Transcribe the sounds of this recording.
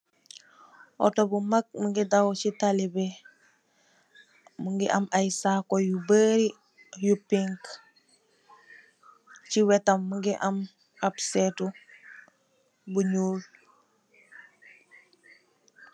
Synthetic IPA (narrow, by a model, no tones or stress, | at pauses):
ʔɔ̰tobumak̚muŋɡidawcitalibe | muŋɡiʔamajsakojubəɾi | jupiŋk | ciwɛtamːuŋɡiʔam | absɛtu | buɲuːl